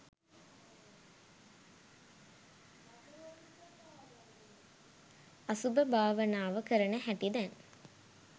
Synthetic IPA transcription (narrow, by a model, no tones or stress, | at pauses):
asubəbʱaːʋənaːʋəkəɾənəɦæʈid̪æn